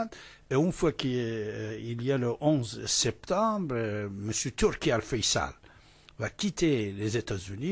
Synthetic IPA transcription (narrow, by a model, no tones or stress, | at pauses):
d̪ | eynfwakə | iljaləʔɔ̃zsɛp̚t̪ɑ̃bʁməsjøt̪yʁkʲealfɛjsa̰l | vakʲit̪elezet̪azyni